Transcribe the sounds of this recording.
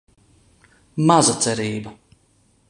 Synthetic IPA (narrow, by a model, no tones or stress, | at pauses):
mazat̪sɛɾiːbɐ